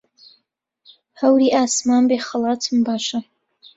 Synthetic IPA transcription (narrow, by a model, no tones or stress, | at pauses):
hɐwɾiːʔaːsmaːnbeːχɐlaːtʰɨmbaːʃɐ